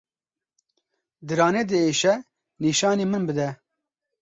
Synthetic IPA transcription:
d̪ɨɾɑːneːd̪ɨeːʃɛ | niːʃɑːneːmɨnbɨd̪ɛ

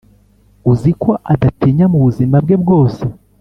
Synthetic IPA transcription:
uziko̞ʔadatiɲamuβuzimab̚ɡe̞b̚ɡo̞ːse

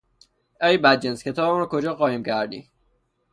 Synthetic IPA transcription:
ʔæjbæd̪̚d͡ʒenskʰʲe̞t̪ʰɒːbemuɾɔkʰod͡ʒɒːxɒːhiːmcʰæɾd̪ḭ

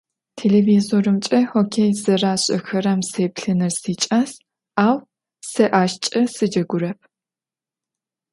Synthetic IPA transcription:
tʰeːleːviːzoːɾɨmt͡ʃʼɐhoːkʰejzɐraːɕʼɐ̰xɐɾɐmseːpɬɨnɨrsiːt͡ʃʼaːs | aːw | sɐʔaːʃt͡ʃʼɐsɨd͡ʒɐɡʷʊɾɐp̚ʰ

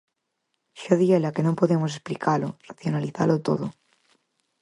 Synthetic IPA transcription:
ʃaðielakenõmpoðemosesplikalor̥aθjo̞naliθa̰lot̪o̰ðo

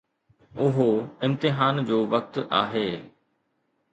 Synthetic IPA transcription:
ʊɦoɪ̃mt̪ɪɦaːnd͡ʑoːʋɐk̚t̪a̰ːɦeː

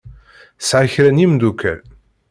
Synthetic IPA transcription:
sʕaçɾænimd̪ukæ̰l

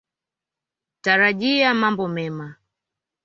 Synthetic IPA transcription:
taɾaʄiamambɔmɛma

